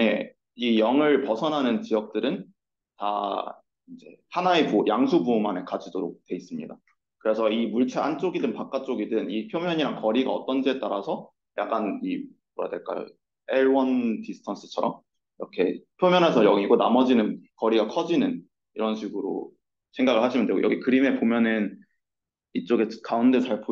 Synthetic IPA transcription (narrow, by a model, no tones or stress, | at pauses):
je̞ | ijʌŋɯɭpʌsʰʌnɦanɯnt͡ɕijʌk̚t͈ɯɾɯn | ta̰ | ind͡ʑe̞hanaepojʔaŋsʰubumane̞kad͡ʑidoɾok̚twe̞is͈ɯmɲida | kɯɾe̞sʰʌimuɭt͡ɕʰeant͡ɕ͈oɡidɯnpak͈at͡ɕ͈oɡidɯnipʰjomjʌɲiɾaŋkʌɾiɡaʌt͈ʌnd͡ʑie̞t͈aɾasʰʌ | jak͈ani | ʌa̰dweɭk͈a̰jo̰ | eɭwʌndisʰɯ̥tʰans͈ʰɯ̥t͡ɕʰʌɾʌm | iɾʌkʰe̞pʰjomjʌnɦe̞sʰʌjʌŋiɡonamʌd͡ʑinɯnkʌɾiɡakʰʌd͡ʑinɯn | iɾʌnɕʰiɡɯɾo̰ | sʰe̞ŋɡaɡɯɭhaɕʰimjʌndweɡo̰jʌɡikɯɾime̞pomjʌnɯn | it͡ɕ͈oɡe̞kaundet͡ɕaɭpʰo